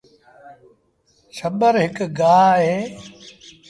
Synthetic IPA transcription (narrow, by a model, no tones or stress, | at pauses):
ʃɐbəɾɦɪkɡaːɦeː